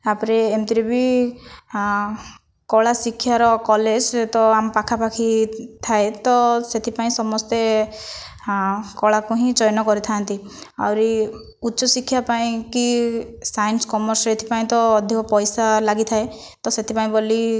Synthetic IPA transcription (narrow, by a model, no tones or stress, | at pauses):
apɔɾeːmt̪iɾibi | kɔɭasikʰːjaɾɔkɔled͡ʒt̪ɔampakʰapakʰit̪ʰaet̪ɔset̪ʰipaĩsɔmɔst̪e | kɔɭakuɦĩd͡ʒɔjnɔkɔɾit̪ʰant̪ia̰wɾi | utːt͡ʃɔsikʰːjapaĩkisajnskɔmɔɾset̪ʰi̥paĩt̪ɔːd̪ʱikɔpɔjsalaɡit̪ʰae | t̪ɔset̪ʰipaĩboli